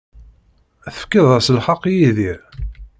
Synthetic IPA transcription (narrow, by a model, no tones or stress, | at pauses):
θə̥fkəðˤæsəlħɑqːjiðiɾ